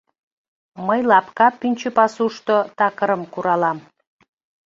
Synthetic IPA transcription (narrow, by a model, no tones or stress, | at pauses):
məjlɑpkɑpynʲt͡ɕəpɑsuʃt̪ot̪ɑkəɾəmkuɾɑlɑm